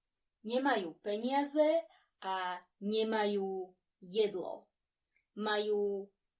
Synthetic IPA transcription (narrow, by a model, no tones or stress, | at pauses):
ɲɛmajuːpɛɲɪazɛ | a | ɲɛmajuː | jɛd̪lɔ̰ | majuː